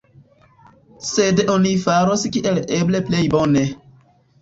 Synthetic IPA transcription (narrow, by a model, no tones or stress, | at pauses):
sedonifaɾoskiʔelebleplejbone